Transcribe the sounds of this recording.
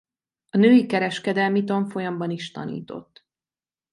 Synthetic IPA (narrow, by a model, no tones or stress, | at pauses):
ɒnøːjikɛɾɛʃkɛd̪ɛlmit̪oɱfo̞jɒmbɒniʃt̪ɒ̰nḭːt̪o̞̰t̪ː